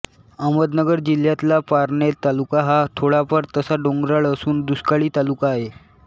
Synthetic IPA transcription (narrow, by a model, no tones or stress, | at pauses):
aməd̪nəɡəɾd͡ʑil̤jat̪lapaɾɳet̪alukaɦat̪ʰoɽapəɾt̪əsaɖoŋɡɾaɭəsuːnd̪uskaɭiːt̪alukaːɦe